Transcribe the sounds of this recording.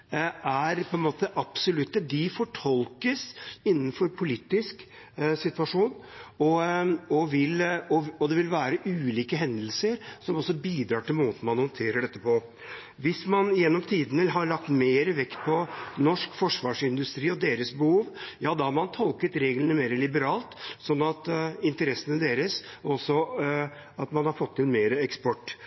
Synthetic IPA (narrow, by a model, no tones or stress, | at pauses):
æɾpʰɔɛnmoːt̪əʔɑpsɔlʉt̪ːəd̪ɪfɔʈʰɔlkəsɪnːn̩fɔɾpʰʊliːt̪ːɪsk | sɪt̪ʋɑʂuːnɔɔʋɪlɔɔd̪ɛʋɪlʋæːɾəʔʉːliːkəɦɛnd̪əl̩səɾsɔmɔsːɔbiːd̪ɾɑːʈɪlmoːt̪n̩mɑnhɔnt̪ʰeːɾəɖɛt̪ːəpʰɔ | ʋɪsmɑnjɛnːɔmt̪ʰiːd̪ənəɦɑɾɭɑk̚t̪meːɾəʋɛkt̪̚pʰɔnɔʂkfɔʂʋɑːʂɪnd̪ʉst̪ɾiːɔd̪eːɾəsbəhuːʋjɑːd̪ɑhɾmɑnt̪ʰɔlkət̪ɾeːɡlənəmeːɾəlɪbəɾɑːlt̪sɔnːɑt̪ɪnt̪əɾɛsːənəd̪eːɾəsɔsːɔ | ɑt̪mɑnhɑɾfɔt̪ʰːɪlmeːɾəɛkspɔʈː